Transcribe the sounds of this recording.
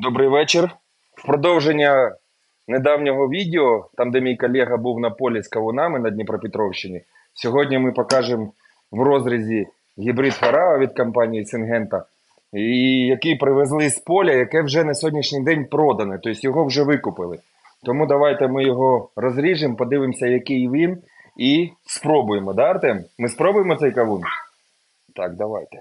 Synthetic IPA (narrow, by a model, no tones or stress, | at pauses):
d̪ɔbɾɪjʋɛt͡ʃer | wpɾɔd̪ɔwʒenʲːɐ | ned̪ɑwnʲɔɦɔʋʲidʲeɔt̪ɑmd̪ɛmʲijkɔlʲɛɦɐbuwnɐpɔlʲiskɐʋʊnɑmɪnɐdʲnʲipɾɐpʲɪt̪ɾɔwʃt͡ʃːɪnʲi | sʲɔɦɔdʲnʲimɪpɔkɑʒem | ʋrɔzɾʲizʲi | ɣʲibɾid̪fɐɾɑɐʋʲid̪kɐmpɑnʲijisɪnɦɛnt̪ɐ | ijɐkipɾɪʋezlˠɪspɔlʲɐjɐkɛwʒɛnɐsʲɔɦɔdʲnʲiʃnʲɪjd̪ɛnʲpɾɔd̪ɐnɪt̪ɔisʲtʲjɔɦɔwʒɛʋɪkʊpɪlˠɪ | t̪ɔmud̪ɐʋɑjt̪ɛmɪjɔɦɔrɔzɾʲiʒɪmpɔd̪ɪʋɪmsʲɐjɐkɪjʋʲin | ispɾɔbʊjemɔd̪ɑɐrt̪ɛmmɪspɾɔbʊjemɔt̪sɛjkɐʋun | t̪ɑkd̪ɐʋɑjt̪ɛ̥